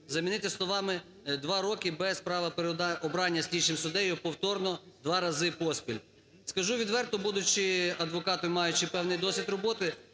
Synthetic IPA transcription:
zɐmʲinɪt̪ɪslˠɔʋɑmɪ | d̪ʋɑɾɔkɪbɛspɾɑʋɐpeɾɔbɾɑnʲːɐsʲlʲit͡ʃɪmsʊd̪ɛjʊpɔwt̪ɔrnɔd̪ʋɑɾɐzɪpɔsʲpʲilʲ | skɐʒuʋʲid̪ʋɛrt̪ɔbud̪ʊt͡ʃɪɐd̪ʋɔkɑt̪ʊmɑjʊt͡ʃɪpɛwnɪjd̪ɔsʲʋʲid̪rɔbɔt̪ɪ

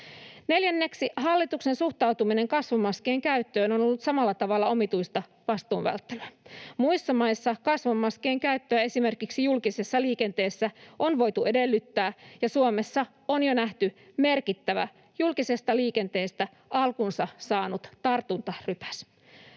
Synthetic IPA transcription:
ne̞ljænːe̞ksiɦɑlːit̪ukse̞nsuht̪ɑwt̪umine̞ŋkɑsʋɑmɑskeːŋkæyt̪ːø̞ːnonolːut̪sɑmɑlːɑt̪ɑʋɑlːɑo̞mit̪uist̪ɑ | ʋɑst̪uːnʋæ̰lt̪ːelæmuisːɑmɑjsːɑkɑsʋɑmɑske̞ːŋkæyt̪ːøæe̞sime̞rkiksijulkisesːɑliːke̞nt̪e̞ːsːæonʋo̞jt̪uʔe̞delːyt̪ːæːjɑsuome̞sːɑ | onjonæht̪yme̞rkit̪ːæʋæ̰ | julkisest̪ɑliːke̞nt̪e̞ːst̪æ | ʔɑlkunsɑsɑːnut̪t̪ɑrt̪unt̪ɑrypæ̥s

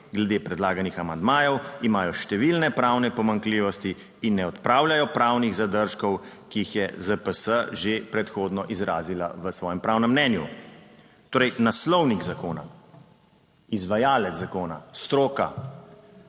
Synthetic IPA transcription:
ɡlɛd̪eːpɾɛd̪laːɡanixamand̪maːjɔwimaːjɔʃt̪ɛʋilnɛpɾaːwnɛpɔmaŋkliːʋɔst̪iː | nːɛɔt̪pɾaːwljajɔpɾaːwniɣzad̪əɾʃkɔwkiːxjɛzəpəsəʒepɾɛt̪xoːd̪nɔʔizɾaːzila̰ʋəsʋɔːjɛmpɾaːwnɛmːnɛnju | t̪oːɾəjnaslɔwniɡzakoːna̰ | izʋajaːlɛt̪zzakoːna̰st̪ɾoːka̰

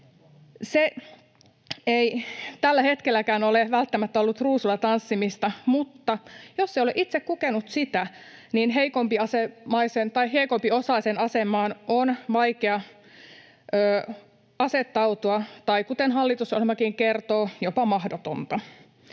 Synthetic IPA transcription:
se | eit̪ælːæhet̪kelːˑækæːnoleʋælt̪ːæmæt̪ːæolːut̪ruːsulːɑt̪ɑnsːimist̪ɑmut̪ːɑjosːeioleʔit̪sekkukenut̪sit̪æninɦeikompiɑsemɑisent̪ɑiheikompiosɑisenɑsemˑɑːnonʋɑikeɑ | øː | ɑset̪ːɑut̪uɑt̪ɑikut̪enhɑlːit̪uso̰lemɑkiŋkert̪oːjopɑmɑhdot̪ont̪ɑ

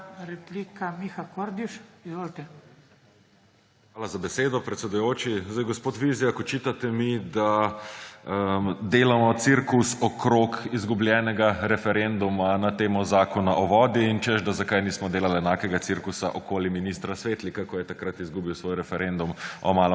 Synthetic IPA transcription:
ɾɛplikamixakoɾd̪iʃizʋoːlt̪ɛ | xʋaːlazabɛseːd̪ɔpɾɛt̪sɛd̪ujoːt͡ʃizd̪ajɡɔspoːt̪ʋizijakɔt͡ʃit̪at̪ɛmid̪a | md̪eːlamɔt̪siɾkusɔkɾokizɡubljɛːnɛɡaɾɛfɛɾend̪umanat̪eːmɔzaːkɔnaʔɔʋɔːd̪iint͡ʃɛʃd̪azakajniːsmɔd̪eːlalɛnaːkɛɡat̪siɾkusa̰ʔɔkoːliminist̪ɾasʋeːt̪likakɔjɛt̪akɾat̪izɡuːbiwsʋoːjɾɛfɛɾʔend̪umɔmaːlə

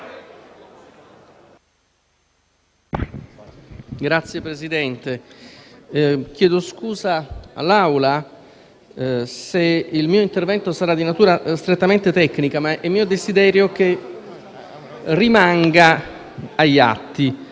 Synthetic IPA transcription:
ɡɾat̪sːjepɾezid̪ɛnt̪e | k̟jɛːd̪oskuːzaa̰lːawla | seilmiːoint̪ervɛnt̪osaɾad̪ːinat̪uːɾast̪ɾet̪ːament̪et̪ɛkːnikamaʔɛmːiːod̪ezid̪ɛːɾjok̟e | rimaŋɡa | aja̰t̪ːi

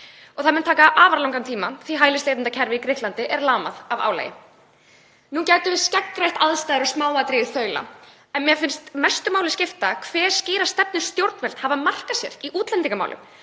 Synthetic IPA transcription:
ɔɣθaðmɛnt̪ʰaːkaʔaːvaɾlawŋkant̪ʰiːmaθviɦaːjlɪst̪lejt̪ɪnt̪acʰɛɾvɪikɾɪht̪lant̪ɪʔɛɾlaːma̰ðava̰ːwla̰jɪ̰ | nuncaːjt̪ʏvɪscɛkːrajht̪aðst̪ajðɪɾɔsmaːwat̪ɾiɪθœɥla̰ | ɛnmjɛfɪnst̪mɛst̪ʏmaːwlɪscɪft̪akʰvɛ̥ːsciːɾast̪ɛp̚nɪ̥st̪jowɾt̪nvɛl̥t̪havamar̥kasjɛ̰ɾiʔuːt̪lɛnt̪iŋkama̰wlʏ̰m

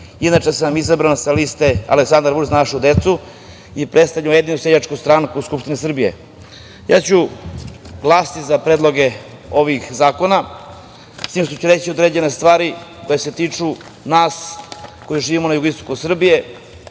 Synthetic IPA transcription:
inaʈ͡ʂesamizabɾansaliːst̪ea̰leksand̪ɾbuɾzanaʃud̪e̞t̪su | ipɾest̪avʎamjed̪inused͡ʑat͡ʃkust̪ɾaŋkuskupʃt̪inisr̩bije̞̰ | ja̰ːt͡ɕu | ɡlˠaːst̪izapɾed̪lˠo̞ɡe̞ | o̞ʋixzaːko̞na | st̪iːmʃt̪ot͡ɕuɾe̞t͡ɕio̞d̪ɾe̞ːd͡ʑe̞nest̪ʋaːɾiko̞jese̞t̪iːt͡ʂu | naːsko̞juʒiːʋimo̞najuɡoist̪o̞kusr̩bije̞

